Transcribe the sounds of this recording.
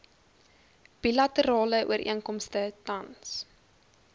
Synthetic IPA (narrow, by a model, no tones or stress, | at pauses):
b̥ilɐtəɾɑːləʔṵəɾʔḭənkɔmstətɐns